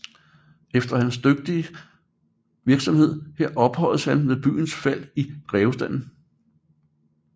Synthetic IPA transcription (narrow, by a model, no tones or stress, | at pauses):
efd̥ɐhænsd̥øɡ̥̚d̥iə | ʋiɐɡ̥sɒ̽mhe̝ð̞̰ˠheɐ̰ɒ̽b̥hɒ̽l̰̩shænmeðˠb̥y̰ːn̩sfæl̰id̥ʁɛːʊəsd̥æn̰n̩